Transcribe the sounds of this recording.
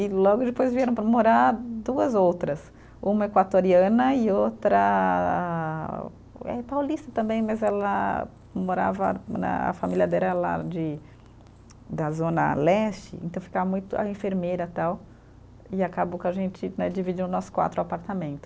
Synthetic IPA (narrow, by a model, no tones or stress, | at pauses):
ɪlɔɡʊd͡ʒɪpojzviɛɾɐ̃w̃pɾmoɾad̪uɐzowt̪ɾɐs | ũmɐekwat̪oɾiɐ̃nɐɪowt̪ɾɐ | ɛ̰pawlist̪ɐt̪ɐ̃mbẽj̃mɐzɛlɐ | moɾa̰vɐnɐ̰a̰familʲɐd̪ɛlɐla̰d͡ʒɪ | d̪ɐzõnɐ̰lɛst͡ʃɪ̰ḛ̃nt̪ɐ̃w̃fi̥kavɐmũj̃t̪ʊɐ̰ẽfeɾmejɾɐt̪aw | ɪakabokɐʒẽnt͡ʃɪnɛd͡ʒivid͡ʒiɾnʊnɔsʊ̥kwa̰t̪ɾʊapaɾt̪amẽnt̪ʊ̥